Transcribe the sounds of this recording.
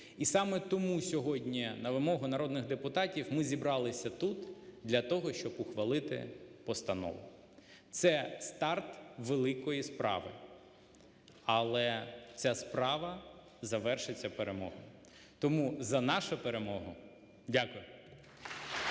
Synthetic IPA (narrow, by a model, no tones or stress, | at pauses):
isɑmɛt̪ɔmusʲɔɦɔdʲnʲinɐʋɪmɔɦʊnɐɾɔd̪nɪɣd̪epʊt̪ɑtʲiwmɪzʲibɾɑlˠɪsʲɐt̪ut̪d̪lʲɐt̪ɔɦɔʃt͡ʃɔbʊxʋɐlˠɪt̪ɪ̰pɔst̪ɐnɔ̰ʋʊ̰ | t̪sɛst̪ɑrt̪ʋelˠɪkɔjispɾʔɑ̰ʋɪ̰ | ɐlˠɛt͡sʲaspɾɑʋɐ | zɐʋɛrʃɪt͡sʲːɐpeɾemɔ̰ɦʊ | t̪ɔmuzɐnɑʃɐpeɾemɔɦʊ | dʲakʊjʊ